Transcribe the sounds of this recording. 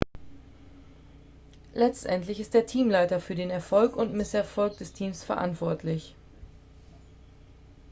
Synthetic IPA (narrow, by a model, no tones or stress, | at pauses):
lɛt͡stʔɛntlɪçɪst̚d̥eːɐtʰiːmlaɪtɐfyːɐdeːnɛɐfɔlkʊntmɪsɛɐfɔlk̚d̥ɛstʰiːmsfɛɐʔa̰ntv̥ɔɐtʰlɪç